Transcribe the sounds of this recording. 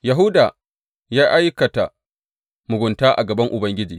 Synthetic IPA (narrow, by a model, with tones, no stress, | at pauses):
ja˨ɦʊ˦daː˨ | jaː˦ʔa˦jkɐ˨ta̰˨ | mʊ˨ɡʷʊ˨ntaː˦ʔa̰˨ɡɐ˨bɐ˦ŋʔʊ˨bɐ˦ŋɡʲɪ˦d͡ʒiː˨